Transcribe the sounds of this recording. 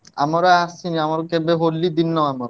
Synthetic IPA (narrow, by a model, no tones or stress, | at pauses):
amaɾaasʰiniamaɾkebeɦolːid̪inːaamaɾa